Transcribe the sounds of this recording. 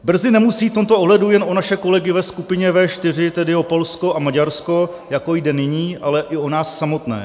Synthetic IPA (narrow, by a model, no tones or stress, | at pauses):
br̩zɪnɛmusiːft̪o̞mt̪oʔoɦlɛdujɛnʔo̞naʃɛko̞lɛɡɪvɛskupɪɲɛvɛːʃt̪ɪr̝ɪt̪ɛdɪo̞po̞lsko̞ʔamaɟaɾsko̞ | jako̞jdɛnɪɲiːʔalɛʔɪo̞naːsːamo̞t̪nɛ̰ː